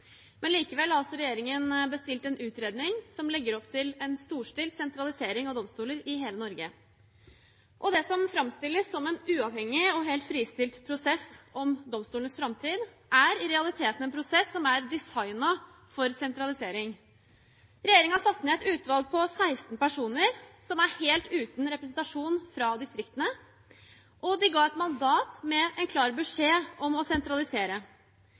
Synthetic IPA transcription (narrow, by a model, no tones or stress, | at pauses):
mɛnliːkəʋɛlːɑlsɔɾɛjeːɾɪŋənbəst̪ɪlt̪ɛnʉːt̪ɾeːd̪nɪŋsɔmlɛɡːəɾɔpt̪ʰɪlɛnst̪uːʂʈɪlt̪sɛnt̪ɾɑlɪseːɾɪŋɑʋd̪ɔmst̪uːləɾɪɦeːlənɔɾɡə | ʔɔd̪ɛsɔmfɾɑmst̪ɪlːəsːɔmɛnʉːɑʋhɛŋːɪɔɦɛːlt̪fɾiːst̪ɪlt̪pʰɾʊsɛsɔmd̪ɔmst̪uːlənəsfɾɑmt̪ʰiːd̪ | ʔæɾɪɾɛɑlɪt̪ʰeːt̪n̩ɛːnpʰɾʊsɛsːɔmæɾd̪ɪsɑɪnɑ | fɔɾsɛnt̪ɾɑlɪseːɾɪŋ | ɾɛjeːɾɪŋɑsɑt̪ːnɛːɛt̪ʉːt̪ʋɑlˠɡ̚pʰɔsæɪst̪n̩pæʂuːnəɾsɔmæɾheːlt̪ʉːt̪n̩ɾɛpɾɛs̬n̩t̪ɑʂuːnfɾɑd̪ɪst̪ɾɪkt̪ənə | ʔɔd̪ɪɡɑːɛt̪mɑnd̪ɑːt̪mɛɛnkʰlɑːɾbʉʂeːɔmɔsɛnt̪ɾɑlɪseːɾə